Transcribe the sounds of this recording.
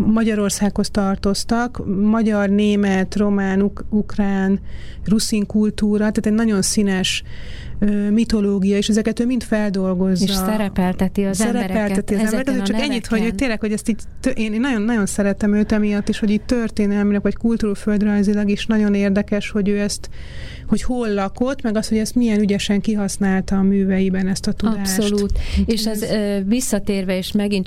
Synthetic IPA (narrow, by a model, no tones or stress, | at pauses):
mɒɟɒɾo̞rsaːkho̞st̪ɒrt̪o̞st̪ɒkmɒɟɒrneːmɛt̪ro̞maːnuukraːnrusiŋkult̪uːɾɒt̪aːt̪ɛɟnɒɟo̞nsinɛʃ | ømit̪o̞loːɡijɒeːʃɛzɛkɛt̪øːmint̪fɛld̪o̞lɡo̞zːɒɛɾɛpɛlt̪ɛt̪isɛɾɛpɛlɛt̪iɒzɛmbɛɾɛkɛzøt͡ʃɒkɛɲːit̪hoɟot̪eːrlɛkhoɟɛst̪iːɟt̪øʔeːneːnːɒɟo̞nːɒɟo̞nsɛɾɛt̪ɛmøːt̪ɛmijɒt̪ːiːʃho̞ɟiːtt̪ørt̪eːnɛlminɛkʋɒckult̪uɾuføld̪rɒjzilɒɡiʃnɒɟo̞neːrd̪ɛkɛʃho̞ɟøːɛst̪ | ho̞cholːɒko̞t̪mɛɡɒst̪ho̞ɟɛst̪mijɛnyɟɛʃɛŋkiɦɒsnaːlt̪ɒːmyːvɛjibɛnɛst̪ɒt̪ud̪aːsːoʃlut̪eʃɛzvisːɒt̪eːrvɛeːʃmɛɡin